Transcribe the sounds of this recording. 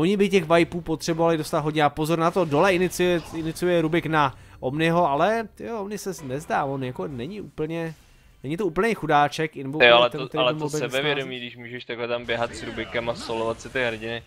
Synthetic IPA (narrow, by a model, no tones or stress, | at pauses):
oɲɪbɪcɛɣvajpuːpo̞t̪r̥ɛbo̞valɪdost̪at̪ɦo̞dɲɛapo̞zo̞ɾnat̪o̞do̞lɛʔɪnɪt͡sɪɛʔɪnɪt͡sɪjujɛɾubɪknaʔomnɪɦo̞alɛt̪jonɪsɛnɛzdaːvonjako̞nɛɲɪʔuːpl̩ɲɛ | nɛɲɪt̪ouːp̬l̩ɲejxudaːt͡ʃɛkɪnɛbojoalɛt̪ɛt̪ɛalɛosbɛɛbɛvjɛdomiːɡdɪʃmuːʒɛʃt̪aɡlɛt̪ambjɛɦat̪sɾubɪkɛmasolovat̪sɪt̪ɪɦɾ̩ɟɪnɪ